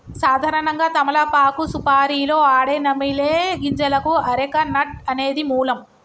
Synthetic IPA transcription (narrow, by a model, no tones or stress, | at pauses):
saːd̪ʱaːɾɐɳɐŋɡaːt̪ɐmɐlɐpaːkusupaːɾiːloːaːɽeːnɐmileːɡiɲd͡ʒɐlɐkuɐɾɛkɐnɐʈ̚ɐne̞ːd̪imuːlɐm